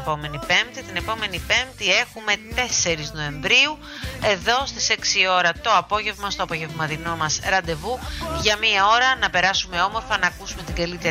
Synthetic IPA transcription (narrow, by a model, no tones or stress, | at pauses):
po̞me̞nipe̞mt̪it̪ine̞po̞me̞nipe̞mt̪ie̞xume̞t̪e̞se̞ɾizno̞e̞ɱvɾiu | e̞ðo̞st̪i̥se̞ksio̞ɾɐt̪o̞ɐpo̞ʝe̞vmɐst̪oɐpoʝe̞vmɐðino̞mɐsɾɐnd̪e̞vuʝɐmiɐo̞ɾɐnɐpe̞ɾɐsume̞o̞mo̞ɾfɐnɐːkusume̞t̪iɡɐlit̪e